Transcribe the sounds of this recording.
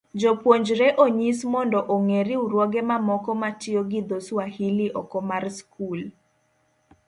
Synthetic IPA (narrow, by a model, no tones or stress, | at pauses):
d͡ʒopwoɲd͡ʒɾɛʔoɲismɔndɔʔoŋeɾɪuɾwɔɡɛmamɔkɔmatɪoɡɪd̪oswahiliʔɔkɔmarskʰul